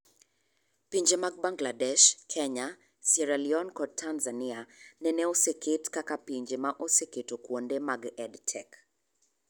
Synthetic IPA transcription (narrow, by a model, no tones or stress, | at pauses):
piɲd͡ʒemaɡ̚baŋɡladɛʃkʰɛɲa | sɛɾaliɔnkɔtʰːanzanianɛnɛoseketkakapiɲd͡ʒemaʔoseketokwondemaɡɛdtʰɛk